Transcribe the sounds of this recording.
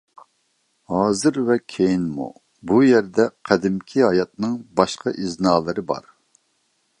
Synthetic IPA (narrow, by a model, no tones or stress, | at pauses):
hɑːzɨɾvɛkʲʰejinmṵ | bujɛɾd̪ɛqʰɛd̪ɪmkʲʰiɦɑjɑt̪̚nɨŋbɑʃqɑʔiznɑːlˠɨɾɨbɑ̰ɾ